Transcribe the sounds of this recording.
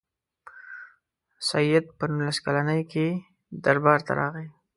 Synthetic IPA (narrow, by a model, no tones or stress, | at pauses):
saijat̪̚pənunlaskalanəjoke | d̪aɾbɑɾt̪a̰ɾɑ̰ɣi